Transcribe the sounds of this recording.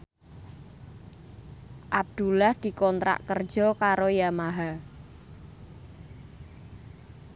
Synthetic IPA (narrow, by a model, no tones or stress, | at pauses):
ʔab̚d̪̥ulahd̪̥i̤kɔnt̪ɾa̰ʔkər̥d͡ʒ̥ɔkaɾojamaɦa